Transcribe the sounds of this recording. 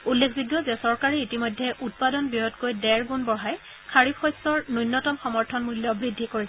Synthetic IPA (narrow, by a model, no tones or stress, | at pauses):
ulːekʰbiɡjɔzɛsɔɹkaɹɛitimojdʱɛʔut̚padɔnbiɔtkojdɛɹɡunbɔɦaj | kʰaɹipʰɔjsɔɹnujnːɔtɔmxɔmɔɹtʰɔnmuljɔbɹidʱːikoɹisɛ